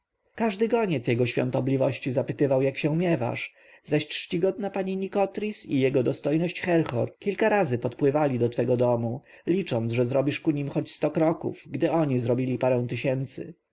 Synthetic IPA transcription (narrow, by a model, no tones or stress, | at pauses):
kaʐd̪ɘkɔɲɛt̪sʲjɛɡɔɕfʲjɔ̰nt̪ɔblʲivɔɕt͡ɕizapɘt̪ɘvawjakɕɛmʲjɛva̰ʂ | zaɕʈʂt͡ɕiɡɔd̪napaɲiɲikɔt̪ɾʲisijɛɡɔd̪ɔst̪ɔjnɔɕt͡ɕxɛɾxɔɾkʲilkaɾazɘpɔt̪pwɘvalʲid̪ɔt̪fɛɡɔd̪ɔmu | lʲit͡ʂɔnt̪sʐɛzɾɔbʲiʂkuɲimxɔt͡ɕst̪ɔkɾɔkṵvɡd̪ɘɔɲizɾɔbʲilʲipaɾɛ̃w̃t̪ɘɕɛnt̪sɘ̰